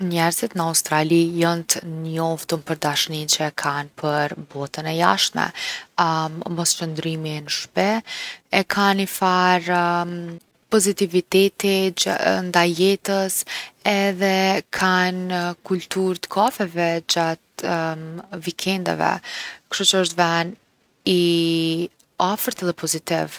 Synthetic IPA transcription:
ɲɛɾzit̪nəaust̪ɾalijɔnt̪njɔft̪ənpəɾd̪aʃnint͡ʃəkʰanpʰəɾbɔt̪ənɛja̰ʃt̪mɛ̰ | mɔst͡ʃənd̪ɾiminʃpɛɛkʰanifaɾ | pɔzit̪ivit̪ɛt̪ind̪ajɛt̪əsɛðɛkʰankult̪uɾt̪ə̥kʰɔfɛvɛd͡ʑat̪ | vikʰɛnd̪a̰vɛ̰kt̪ut͡ʃəəʃt̪van | i | afəɾt̪ɛðɛpɔzit̪ḭv

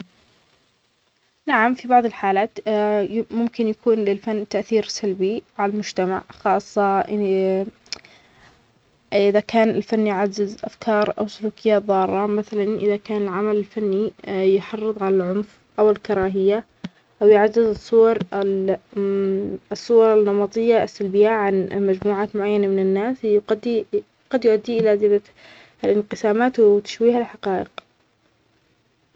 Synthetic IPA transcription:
naʕamfibɑʕðˤɪlħaːlaːt̪ | mʊmkɪnjakuːnlɪlfanːt̪aʔθiːɾsalbiʕalalmʊd͡ʒt̪ama̰ʕxɑːsˤːɑʔ | ʔɪðakaːnɪlfanːjʕazːɪzʔa̰fkʰɑːɾˤʔa̰wsʊluːkɪjːaːt̪ðˤɑːɾˤːɑmaθalanʔɪðakaːnɪlʕamalɪlfanːijħɑrˤːɨðˤʕalalʕʊnf | ʔawɪlkɑɾˤɑːɦɪjːa | ʔawjʕazːɪzsˤːʊwɑɾˤ | sˤːʊwɑɾˤɑnːɑmɑt̪ˤɨjːaʔɪsːalbɪjaʕanmad͡ʒmuːʕaːt̪mʊʕajːanamɪnɪnːaːsqɑd̪i | ɡ̥ɑd̪jʊʔad̪ːiʔɪlazɪla | lɪnqɨsaːmaːt̪wt̪ḁʃwiːhalħaqɑːʔɪq

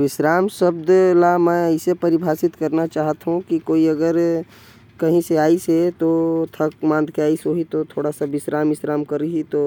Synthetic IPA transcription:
ʋɪʃɾaːmʃɐbd̪lamɛ̃ɪsepɐɾɪbʱaːsɪt̪kɐɾnat͡ʃaːɦt̪ɦũkikoːiɐɡəɾ | kɐɦĩseaːiset̪ot̪ʰɐk̚mãːnd̪ʱkeaːisoɦit̪ot̪ʰoːɽasabɪsɾaːmɪsɾaːmkɐɾiɦit̪oː

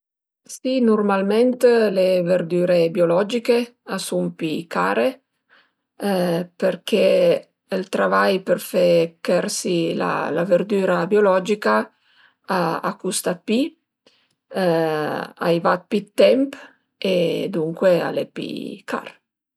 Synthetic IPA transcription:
sinurmalment̪leverd̪yːɾebjolɔd͡ʒikeasumpikaːɾe | perk̟eː | lt̪ɾavajperfekɛrsila̰la̰verd̪yːɾabjolɔd͡ʒika | a̰ːkust̪api | a̰jvat̪̚pit̪ːɛmp | ed̪uŋkwea̰lḛpḭka̰r

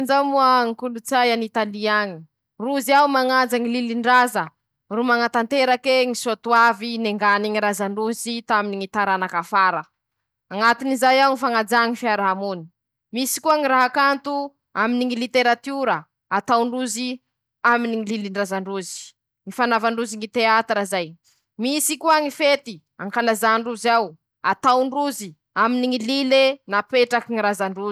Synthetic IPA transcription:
nd͡zamuaŋikulut͡sajanit̪aliaɲi̥ | ruziawmaŋad͡zaŋililiɳɖ͡ʐazə | rumaŋat̪ant̪eɾakweŋisot̪uavineŋɡaniŋiɾazaɳɖ͡ʐuzit̪aminiŋit̪aɾanakafaɾə | aŋat̪inizajawŋifaŋad͡zaŋifiaɾaɦamuni̥ | misi̥kuaŋiɾaɦakant̪u | aminiŋilit̪eɾat̪uɾə | at̪awɳɖ͡ʐuzi | aminiŋililiɳɖ͡ʐazaɳɖ͡ʐuzi̥ | ŋifanavaɳɖ͡ʐuziŋit̪eat̪ɾazaj | misikuaŋifet̪i | aŋkalazaɳɖ͡ʐuzaw | at̪awɳɖ͡ʐuzi | aminiŋililenapeʈ͡ʂakiŋiɾazaɳɖ͡ʐu

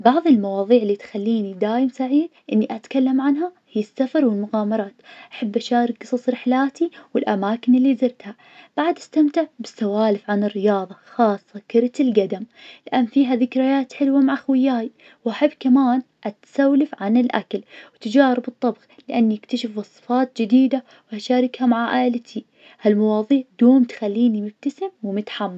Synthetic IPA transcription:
bɑʕðˤɪlmɑwɑːðˤiːʕɪlːit̪xalːiːnid̪aːjɪmsaʕiːd̪ʔɪnːiʔat̪kalːamʕanɦahɪjːɪsːafɑɾˤwɪlmʊɣɑːmɑɾˤɑːt̪ʔaħabːʔaʃaːɾˤɪk̚ɡɨsˤɑsˤɾɪħlaːt̪iwɪlʔa̰maːkɪnɪlːiːzɪɾt̪ha | b̥aʕad̪ʔast̪amt̪ɪʕbɪsːawaːlɪfʕanɪrːɪjɑːðˤɑxɑːsˤːɑkɪɾt̪ɪlɡad̪amlɪʔanːfiːɦaðɪkɾajaːt̪ħɪlwamaʕaxwɪjaːj | wʔaħɪbːkamaːn | ʔat̪sawlɪfʕanɪlʔa̰kalwt̪ad͡ʒaːɾɪbɨt̪ˤːɑbɣlɪʔanːiʔɪkt̪aʃɪfwɑsˤːɨ̥fɑːt̪̚d͡ʒɪd̪iːd̪a | wʔaʃaːɾˤɪkhamaʕaʔaʔlt̪ʰi | halmɑwɑːðˤiːʕd̪oːmt̪xalːiːnimɪb̚t̪asɪmwmʊt̪ħamːa

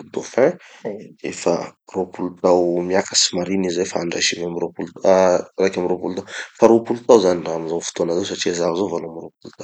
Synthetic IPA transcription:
ud̪ofɛ̃ | efa̰ropulut̪awmiakəsi̥maɾinizajfaaɳɖ͡ʐa̰ʃiveamiropulut̪rajkʲamiɾopulut̪awfaɾopulut̪awzaniramizawfu̥t̪onazews̬aʈ͡ʂiazavizovaluamiropulut̪aw

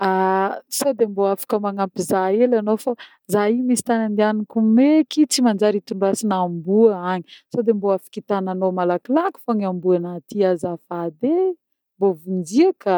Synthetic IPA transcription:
asod̪emboafḁkəmaŋapizaelanofa | zaɦimisi̥t̪anand̪ianikumekit͡simand͡ʒaɾit̪uɳɖ͡ʐasinambuəaɲisod̪emboafi̥kit̪ananomalakilaki̥foɲambuanat̪iazafad̪e | mbovund͡ziəka

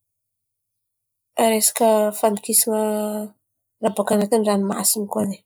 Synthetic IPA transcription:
ɾesḁkəfand̪ikisiŋə | rabakanat̪inranima̰sinikone

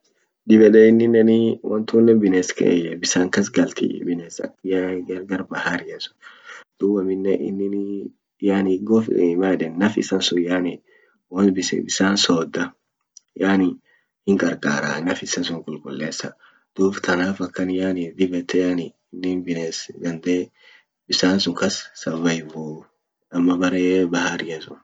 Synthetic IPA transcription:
d̪ɪbɛᶑɛɪnːɪnːɛnɪwɐnt̪unːɛbɪneːskɛ̰ʔjɛbɪsaːŋkɐsɡɐlt̪ḭbɪneːsɐ̰jaɡɐɾɡɐɾbɐhaɾɪjɐsʊ̥d̪̥uːbɐmɪnːɛʔɪnːɪn | jaːnɪɡɔfimaːd̪ɛnːɐfɪ̰sɐnsʊjaːnɪ | wɐnbɪsɛ̰bɪsaːnsoːd̪ːɐ | jaːnɪ | hɪŋkʼɐɾkʼa̰ːɾa̰ːnɐfɪsɐnsʊŋkʼʊlkʼʊlːeːsːɐ | d̪̥uːbt̪ʰɐnaːfɐkːɐnjaːnɪd̪ɪbɛt̪ːɛjaːnɪːnːɪnbɪnesɡɐnd̪eː | bɪsaːnsʊŋkɐsːɐvɐjɪbuː | ɐmːɐbɐɾeːbɐhaɾɪjɐsʊn

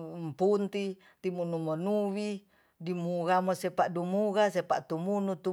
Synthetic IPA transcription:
mpunt̪i | t̪imunumonuwi | dimuɣamosɛpaʔdumuɣasɛpaʔt̪umunut̪u

